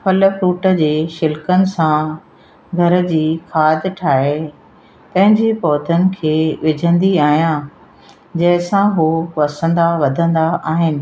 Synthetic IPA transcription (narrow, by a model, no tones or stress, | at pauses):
pʰɐləfɾuːʈə̆d͡ʑeːʃɪlkənɪ̆sã | ɡʱɐɾə̆d͡ʑiːkʰaːd̪ʈʰaːɦe | t̪ɐ̃ɦɪ̃ɲd͡ʑepɔːd̪ʱənɪ̆kʰeːʋɪd͡ʑʱə̃nd̪iaːɦijã | d͡ʑɐɦɪsãɦupɐsə̃nd̪aʋɐd̪ʱə̃nd̪aʔaːɦɪnɪ̆